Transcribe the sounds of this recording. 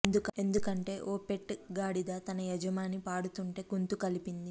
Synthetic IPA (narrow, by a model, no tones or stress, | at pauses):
end̪uke̞nd̪ukɐɳʈe̞ːʔoːpeʈːɡaːɽid̪aːt̪ɐnɐjɐd͡ʒɐmaːnipaːɽut̪uɳʈe̞ːɡunt̪ukɐlipind̪i